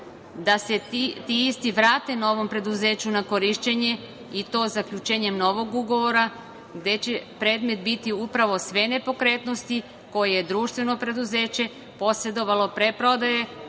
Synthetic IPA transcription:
d̪ase̞t̪iist̪iʋɾaːt̪e̞nao̞ʋo̞mpɾe̞d̪uze̞ːt͡ɕunako̞ɾiʃt͡ɕeɲe̞ | it̪o̞ːzakʎut͡ʃe̞ːɲe̞mno̞ʋo̞ɡuɡo̞ʋo̞ɾa | ɡd̪e̞t͡ɕe̞pɾe̞ːd̪me̞t̪bit̪iupɾaʋo̞sʋe̞ne̞po̞kɾe̞ːt̪no̞st̪i | ko̞jejed̪ɾuːʃt̪ʋe̞no̞pɾe̞d̪uze̞ːt͡ɕe̞ | po̞sɾe̞d̪o̞ʋalˠo̞pɾe̞pɾo̞d̪aje̞

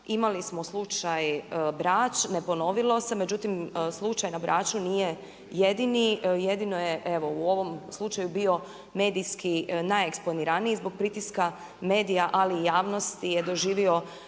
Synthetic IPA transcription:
imalismo̞slˠut͡ʃajbɾaːt͡ʃne̞po̞no̞ʋilˠo̞se̞me̞d͡ʑut̪imslˠut͡ʃajnabɾʔa̰ːt͡ʃuniːje̞ | jed̪inije̞d̪ino̞jeʔeʋo̞uo̞ʋo̞mslˠut͡ʃajubio̞ | me̞ːd̪iskinajeksponiɾanijizbo̞ɡ̚pɾit̪iska | me̞ːd̪ijaʔalijaːʋno̞st̪ijed̪o̞ʒiːʋio̞

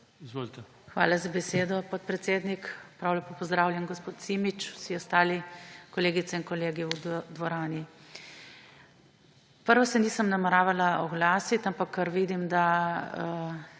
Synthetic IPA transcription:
izʋolit̪ɛ | xʋa̰ːlazabɛseːd̪ɔpɔt̪̚pɾɛt̪seːd̪nikpɾawlɛpoːpɔzd̪ɾaːwljɛmɡospoːt̪simit͡ʃu̥siɔst̪aːlikɔleːɡit̪sɛinkɔleːɡiud̪ʋɔɾaːni | pəɾʋɔsɛniːsəmnamɛɾaːʋalaɔɡlaːsit̪ampakʰːəɾʋiːd̪imd̪a

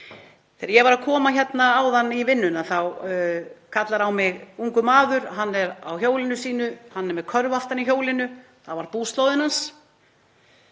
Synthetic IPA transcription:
θɛːɾjɛvaɾaðkʰɔːmaçɛt̪naːwðanːivɪnːʏnaθaw | kʰat̪laɾawmɪɣuŋkʏmaːðʏɾɦanːɛɾa̰wçoːwlɪnʏsiːnʏhanːɛɾmɛðkʰœɾvaft̪aniçjoːwlɪnʏ | θavaɾpuːst̪lowðɪnhans

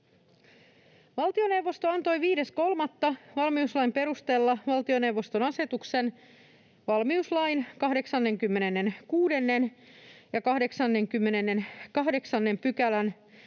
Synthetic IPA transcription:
ʋɑlt̪io̞ne̞wʋːo̞st̪o̞ɑnt̪o̞jʋiːde̞sko̞lmɑt̪ːɑʋɑlmiuslɑjmpe̞ɾust̪e̞lːɑʋɑlt̪io̞ne̞wʋːo̞st̪o̞nɑse̞t̪ukse̞n | ʋɑlmiuslɑjnkɑɦde̞ksɑnːe̞ŋkymːe̞ne̞nːe̞nkuːde̞nːe̞njɑkɑhde̞ksɑnːe̞ŋkymːenenːe̞nkɑhde̞ksɑnːe̞mpykælæn

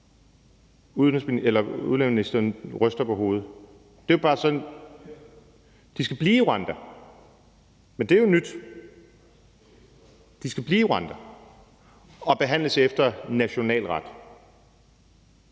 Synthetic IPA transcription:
uðˠesmielɐṵðˠlḛminisd̥ɐːnʁœsd̥ɐpʰɒ̽ɦo̝ːð̞̩ˠ | d̥e̝b̥ɑ̈ːsɒ̽n | d̥isɡ̥æb̥liːiʁɑnd̥ɐ | mend̥e̝æjo̝nyd̥ | d̥isɡ̥æb̥liːiʁɑnd̥ɐ | ɒ̽b̥e̝ɦæn̰ləsefd̥ɐnæɕo̝nɛ̰ːlʁɑd̥

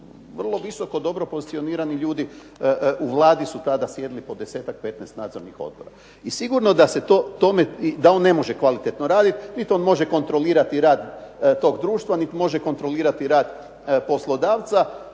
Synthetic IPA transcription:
ʋr̩lˠo̞ʋiso̞ko̞d̪o̞bɾo̞po̞zit̪sio̞niːɾaniʎuːd̪i | uʋlˠaːd̪isut̪ad̪asje̞d̪ilipo̞d̪ese̞ːt̪ak̚pe̞t̪nɛst̪naːd̪zo̞ɾnixo̞̰d̪̚bo̞ɾa̰ | isiɡuɾno̞d̪ase̞t̪oːt̪o̞meid̪ao̞nːe̞mo̞ʒekʋalit̪et̪no̞ɾaːd̪it̪nit̪o̞nmo̞ʒeko̞nt̪ɾo̞liːɾat̪iɾaːd̪t̪o̞ːɡd̪ɾuːʃt̪ʋanit̪imo̞ʒeko̞nt̪ɾo̞liːɾat̪iɾaːd̪ | po̞slˠo̞d̪aːʋt̪sa

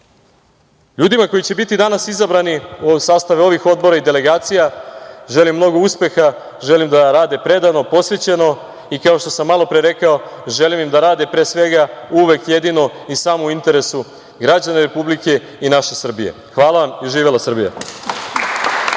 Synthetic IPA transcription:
ʎuːd̪imako̞jit͡ɕe̞bit̪id̪anasizabɾaniosaːst̪aʋeo̞ʋixo̞d̪̚bo̞ɾaid̪e̞le̞ɡaːt̪sijaʒe̞limːno̞ɡouspe̞xa | ʒe̞limd̪aɾaːd̪epɾe̞d̪ano̞po̞sʋe̞t͡ɕe̞no̞ | ikao̞ʃt̪o̞samːalo̞pɾeɾe̞kao̞ʒe̞limimd̪aɾaːd̪epɾeːsʋe̞ɡauʋe̞kje̞d̪ino̞isaːmouint̪e̞ɾe̞su | ɡɾad͡ʑaneɾe̞publike̞ | inaʃe̞sr̩bijḛxʋaːlˠaʋamiʒiːʋelasr̩bija̰

